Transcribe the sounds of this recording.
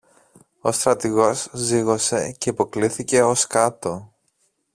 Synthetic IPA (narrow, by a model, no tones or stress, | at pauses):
o̞st̪ɾɐt̪iɣo̞zziɣo̞se̞ce̞ipo̞kliθice̞o̞skɐt̪o̞